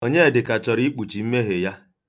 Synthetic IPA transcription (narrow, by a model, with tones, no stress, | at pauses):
o˦ɲe˦e˨dɪ˨ka˨t͡ʃɔ˨ɾi˦k͡pu˨t͡ʃi˨m̩˦me˦ɦe˨ja˦